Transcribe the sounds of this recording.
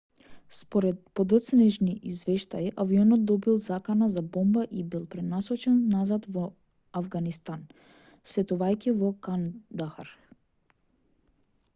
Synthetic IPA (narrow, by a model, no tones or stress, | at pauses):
spɔɾɛt̪̚pɔd̪ət̪snɛʒniʔizvɛʃt̪aiʔaviɔnɔt̪̚d̪ɔbilˠzakanazabɔmbaʔibilˠpɾɛd̪nasɔt͡ʃɛnːazad̪vɔ | avɡanist̪an | sɛt̪uvajkivɔkand̪axaɾ